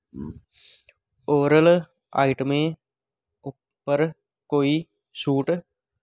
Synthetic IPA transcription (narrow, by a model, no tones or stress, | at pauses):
oːɾəl | a̰ːɪʈmẽ | ʊ | pːəɾ | koːi | suːʈ